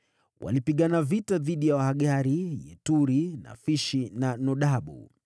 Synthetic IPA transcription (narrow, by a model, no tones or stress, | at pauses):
wʔa̰lipiɠanavitaðiɗijawahaɠaɾijɛ̰tuɾina̰fiʃinanɔɗaɓṵ